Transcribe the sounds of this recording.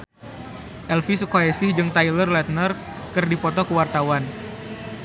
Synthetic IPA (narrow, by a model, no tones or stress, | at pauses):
ʔɛlfisəkoɛsɪhd͡ʒɨŋt̪ajlərlɛt̪̚nər | kɨrdipɔt̪ɔkəwart̪awan